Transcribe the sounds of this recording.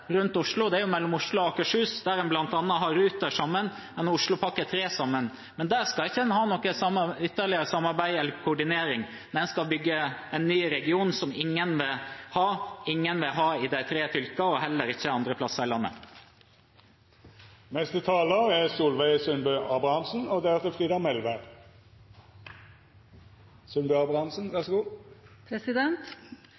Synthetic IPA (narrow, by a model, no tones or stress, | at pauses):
ɾʉnt̪ʊʂlʊd̪ɛæɾjʊmɛlːɔmʊʂɭʊɑkəʂʉːsd̪æɾɛnblɑnt̪ɑnːəɦɑɾʉːt̪əʂɑmːən | ɛnʊʂɭʊpʰɑkːət̪ʰɾeːsɑmːən | mɛnd̪æːɾskɑɪçːənhɑːnɔkːəsɑmːəʏt̪ːəɾɭɪəɾəsɑmːɑɾbæɪɛlːəɾkʰʊːɖɪneːɾɪŋ | d̪ɛnskɑbʏɡːəɛnːyːɾɛɡɪuːnsɔmɪŋːənʋɪlhɑːɪŋːənʋɪlɦɑːɪd̪æɪt̪ʰɾeːfʏlkəɔhɛlːəɾɪçːəɑnd̪ɾəpʰlɑsːəɾɪlɑnːə̰ | mɛst̪ət̪ʰɑːləɾɛsuːlʋæɪsʉnbœːɑbɑnsn̩od̪ɛæt̪ɛfʁiːd̪ɑmɛlʋæ | sœnbœɑbʁɑnsn̩ʋɛʁsɡuːpʰɾɛsɪd̪ɛnt̪